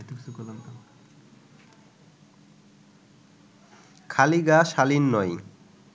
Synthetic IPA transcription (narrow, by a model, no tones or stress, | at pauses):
t̪uksukolant̪a | kʰaliɡaʃalinːɔj